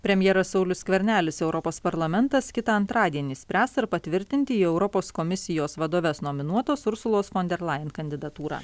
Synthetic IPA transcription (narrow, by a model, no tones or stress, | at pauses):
pʲɾʲɛmʲjɛːɾɐsɒʊlʲʊssʲkʋʲɛɾʲnʲæːlʲɪsɛʊɾɔpoːspɐɾlˠɐmʲɛnt̪ɐskʲɪt̪ɑːɐnt̪ɾɑːd̪ʲiɛnʲiːsʲpʲɾʲæːst̪ɐɾpɐt̪ʲʋʲɪɾʲt̪ʲɪnʲt̪ʲɪiːɛʊɾɔpoːskomʲɪsʲɪjoːsʋɐd̪oːʋʲeːsnoːmʲɪnuɔt̪oːsʊɾsʊlˠoːsfɔnʲd̪ʲɛɾlˠɑjɪnkɐnʲd̪ʲɪd̪ɐt̪uːɾɑ̰ː